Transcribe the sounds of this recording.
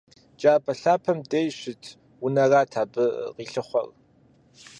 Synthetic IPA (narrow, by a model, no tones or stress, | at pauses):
t͡ʃʼaːpʰʼɐɬaːpʰɐmdʼejɕʷɪtʰ | wʊnɐraːtʰaːbɨqiːɬɨχʷɔ̰r